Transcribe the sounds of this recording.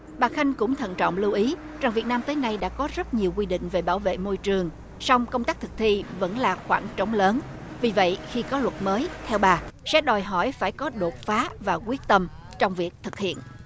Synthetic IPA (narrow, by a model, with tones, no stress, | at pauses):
ɓaː˨˩xa˧jŋ̟kʊ̰˧˥ŋ͡mt̪ʰə̰˧˨nt͡ɕɔ̰˧˨wŋ͡mlu˧wʔi˨˦ | za˨˩ŋvi˨˩ət̚naː˧mt̪əː˨˦jna˧jɗa̰ː˧˥kɔ˨˦zə˦˥t̚ɲi˨˩əwk̬wi˧ɗḭ̈˧˨ŋ̟ve˨˩ɓaː˧˩wvḛ˧˨mo˧jt͡ɕɨ˨˩əŋ | sa˧wŋ͡mkə˧wŋ͡mt̪aː˦˥k̚t̪ʰɨ˨˩k̚t̪ʰi˧və̰˧˥nlaː˨˩xwaː˧˩nt͡ɕə˨˦wŋ͡mləː˨˦n | vi˨˩və̰˧˨jxi˧kɔ˨˦lwə˨˩t̚məː˨˦jt̪ʰɛ˧wɓaː˨˩sɛ̰˧˥ɗɔ˨˩jɦɔ˧˩jfaː˧˩jkɔ˨˦ɗo˨˩t̚faː˨˦vaː˨˩kwi˦˥ət̚t̪ə˧mt͡ɕɔ˧wŋ͡mvi˨˩ək̚t̪ʰɨ˨˩k̚hḭ˧˨ən